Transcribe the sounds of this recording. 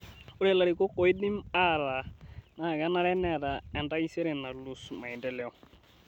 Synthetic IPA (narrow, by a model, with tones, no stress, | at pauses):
ʊ˦ɾɛ˦˨la˨ɾi˨kɔ˦kɔ˨i˦di˦ma˦ɾa˨na˨ɡa˦na˦ɾɛ˦nɛ˦˨ɾa˨ɛ˨nda˦i˦sɛ˦ɾɛ˨na˨lu˨sma˨i˨ndɛ˨lɛ˦ɔ˨